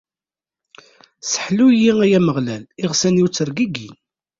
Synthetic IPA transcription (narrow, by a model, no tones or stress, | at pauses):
sə̥ħlujiæjæməʁlælɪʁsænjiuwt͡sːəɾɡiɡin